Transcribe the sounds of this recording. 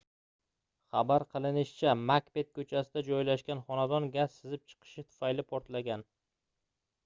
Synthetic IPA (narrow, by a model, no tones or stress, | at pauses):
χabaɾqʰɨlˠɪnɪʃɪt͡ʃʰamakbe̞t̪̚kʰɵt͡ʃʰasɪd̪ad͡ʒɒjlaʃkʲanχɒnad̪ɒnɡʲassɪzɪp̚t͡ʃʰɨ̥qʰɨ̥ʃɪt̪ʰʊ̥fajlɪpʰoɾt̪laɡʲan